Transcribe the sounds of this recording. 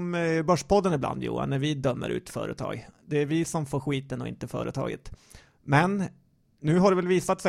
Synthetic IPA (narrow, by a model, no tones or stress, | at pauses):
mbœʂpɔd̪ːənɪbla̰nd̪jṵːa̰nːæɾvɪd̪œmːə̰ɾʔʉ̟ːt̪fœ̰ːɾət̪ʰɑ̰ːɡd̪ɛæɾvɪsɔmfoːɾɧiːt̪ənɔɪ̰nt̪əfœ̰ːɾət̪ʰɑ̰ːɡə̰t̪ | mɛn | nːʉ̟ːɦaɖɛvɛlviːsat̪sɛ